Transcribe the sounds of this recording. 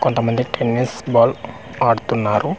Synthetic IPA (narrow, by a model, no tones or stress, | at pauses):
kont̪ɐmɐnd̪iʈʰenːisbaːl | aːɽut̪unːaːɾu